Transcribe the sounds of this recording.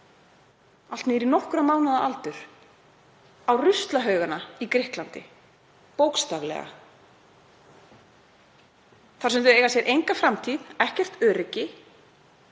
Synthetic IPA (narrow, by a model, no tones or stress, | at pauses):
al̥t̪nɪɾinɔhkʏɾamaːwnaðaʔalt̪ʏɾ̥ | awrʏst̪laɦœːɥɣanːaikɾɪhklant̪ɪ̰ | powkst̪aɣlɛ̰ɣa̰ | θaɾ̥sʏmt̪ʏeːjɣasjɛɾʔejŋkafɾamt̪ʰiðɛhcɛr̥t̪œːɾɪcːɪ